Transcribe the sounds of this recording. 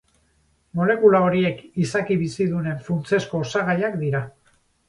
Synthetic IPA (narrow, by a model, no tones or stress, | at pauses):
mo̞le̞kulao̞ɾie̞kisakiβisiðune̞ɱfunt͡se̞sko̞ːsaɣ̞ajakd̪iɾa